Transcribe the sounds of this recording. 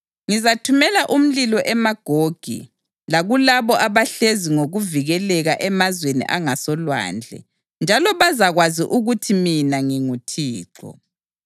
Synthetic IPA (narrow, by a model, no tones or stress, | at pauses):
ŋizatʰumɛlaʔum̩lilɔʔɛmaɡ̥ʱoɡ̥ʱḭ | laɣulaβɔʔaβaɬeziŋoɣuviɣɛlɛɣaʔɛmazwenḭʔaŋasɔlwa̰ːnd͡ɮʱɛ̰ | nd͡ʒʱalɔβazaɣwaziʔuɣutʰiminaŋiŋutʰiːǁɔ̰